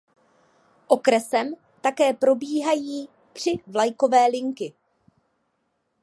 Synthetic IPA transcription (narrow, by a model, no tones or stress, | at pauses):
ʔo̞kɾɛsɛm | t̪akɛːpɾo̞biːɦajiː | pr̝̥ɪvlajko̞vɛːlɪŋkɪ